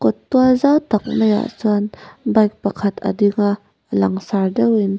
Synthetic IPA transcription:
kɔtːuazawtak̚naja̰suanbajk̚pɐkʰatʰɐ̰diŋa | laŋsaɾdɐwin

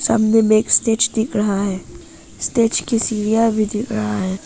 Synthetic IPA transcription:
sɐ̰mnemeːkst̪eːt͡ʃd̪ɪkʰɾəɦaɦɛː | sʈeːt͡ʃkisiːɾijabʱid̪ɪkʰɾɐɦaɦɛː

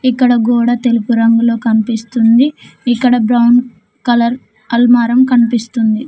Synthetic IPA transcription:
ikːɐɽɐɡuːɽɐt̪e̞lupuɾɐŋɡulo̞ːkɐnipist̪und̪iːkːɐɽɐbɾɐwn | kɐlɐɾ | ɐlmaːɾɐmkɐnipist̪und̪i

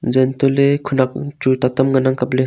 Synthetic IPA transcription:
zent̪olekʰunak̚t͡ʃut̪at̪amŋanaŋkaple

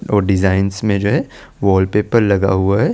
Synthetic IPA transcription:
ɔːɾɖɪzaːɪnsmẽd͡ʒoːɦɛ | ʋɔːlpeːpəɾlɐɡa̰ɦʊaɦɛː

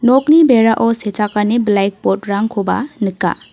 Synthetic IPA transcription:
nɔknibeɾaʔɔset͡ʃakaneblajk̚pɔt̚ɾaŋkʰɔba̰nɯka̰

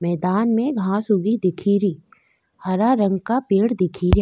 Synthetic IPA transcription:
mɛːd̪aːnmẽɡʱãsʊɡid̪ɪkʰiːɾiː | hɐɾaɾɐ̃ŋɡkapeːɽd̪ɪkʰiːɾ

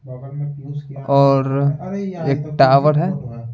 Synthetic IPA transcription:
ɔːɾ | eːk̚ʈaːʋəɽɦɛː

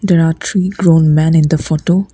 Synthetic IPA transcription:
d̪ɛɾaːt̪ʰɾiːɡɾõːnmɛ̃nɪ̃nd̪əfɔʈoː

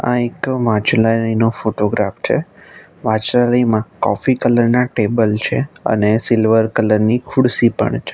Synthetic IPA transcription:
ã̰ekʋãt͡ʃlaləinofoʈoɡɾaft͡ʃʰḛ | ʋãt͡ʃɾaləimãkɔ̰fikələɾnaʈebəlt͡ʃʰeə̰nesɪlʋəɾkələɾnikʰʊɽsipə̰ɳt͡ʃʰe

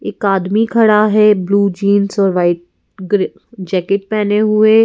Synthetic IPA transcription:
ɪːkaːd̪mikʰɐɽaɦɛbluːd͡ʒiːnsɔːɾʋaːɪʈ̚ | ɡɾ | d͡ʒɛːkɪʈ̚pɛːneɦʊe

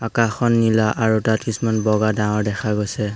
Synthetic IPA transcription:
akaxɔnːilaʔaɹutatkisumanbɔɡadãŋɔɹdɛxʰaɡojsɛ

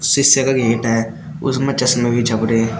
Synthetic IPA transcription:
sɪsjəkaɡʱeːʈɦɛ | ʊ̰smẽt͡ʃɐsnmẽbʱit͡ʃʰɐpɾe

